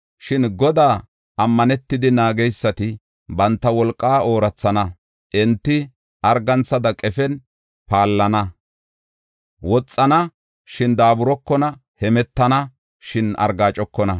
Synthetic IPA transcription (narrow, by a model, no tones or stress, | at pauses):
ʃɪnɡɔd̪aː | ɐmːɐnɛt̪ːɪd̪ɪnaːɡɛjsːɐt̪ɪ | bɐnt̪ːɐwɔlkʼːaːo̞ːɾɐt͡sːɐnɐ | ʔɛnt̪ːɪ | ɐɾɡɐnt͡sːɐd̪ɐkʼɛfɛn | paːlːɐnɐ | wɔt͡sʼːɐnɐ | ʃɪnd̪aːbʊɾɔkːɔnɐhɛmɛt̪ːɐnɐ | ʃɪnɐ̰ɾɡaːt͡ʃʼɔkːɔnɐ